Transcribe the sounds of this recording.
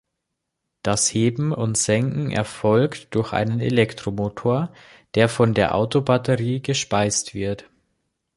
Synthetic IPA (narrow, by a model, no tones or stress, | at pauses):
d̥asheːbm̩ʊntz̥ɛŋkŋ̩ʔɛ̰ɐfɔlktd̥ʊɐçʔa̰ɪnənḛlɛktʁ̥omoːtʰoːɐ | d̥eːɐfɔndeːɐʔa̰ʊtobatəʁiːɡəʃpaɪstv̥ɪɐt